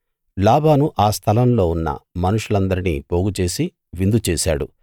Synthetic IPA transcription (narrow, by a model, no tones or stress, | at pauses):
laːbʱaːnuʔaːst̪ʰɐlɐmlo̞ːunːɐ̰mɐnuʂulɐnd̪ɐɾinḭːpo̞ːɡut͡ʃe̞ːsi | ʋind̪ut͡ʃeːʃa̰ːɽṵ